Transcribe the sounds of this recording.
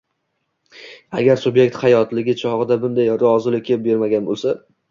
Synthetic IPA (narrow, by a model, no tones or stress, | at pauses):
a̰ɡʲaɾsʊbjek̚ʲt̪hajɒt̪lɪɡʲɪt͡ʃʰɒʁɨd̪abʊnd̪ajɾɒzɪlɪkʲʰːep̚be̞ɾmaɡʲanbo̰lˠsa